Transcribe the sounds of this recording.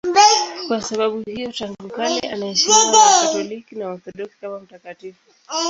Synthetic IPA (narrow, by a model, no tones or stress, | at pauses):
mbɛkwasaɓaɓuhijɔtaŋɡukalḭʔanaɛʃimatɔlikinaɔθɔɗɔksi̥kamam̩takatifu